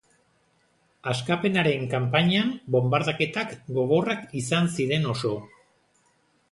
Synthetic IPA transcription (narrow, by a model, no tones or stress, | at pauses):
askape̞naɾe̞ŋkampaɲambo̞mbaɾðake̞t̪akɡo̞ɣo̞rakisansiɾe̞no̞so̞